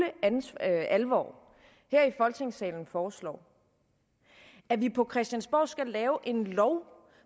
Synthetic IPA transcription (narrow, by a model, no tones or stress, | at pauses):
əænælʋɒ̰ː | heɐ̰ifɒ̽lt͡sʰe̝ŋsɛ̰ːln̩fɒːslɒ̰ː | æʋipʰɒ̽kʰʁɛsd̥jænsb̥ɒ̰ːsɡ̥ælɛːʊʔe̝nlɒʊ